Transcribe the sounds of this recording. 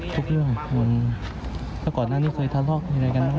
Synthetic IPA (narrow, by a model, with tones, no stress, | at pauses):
t̪ʰu˦˥k̚ɾɯ˥˩əŋmu˧n | lɛː˦˥˩kɔː˨˩naː˥˩niː˦˥˩kʰɤː˧jt̪ʰaː˧˥˩lɔː˥˩k̚miː˧ɾa˧jka˧nma˧˥˩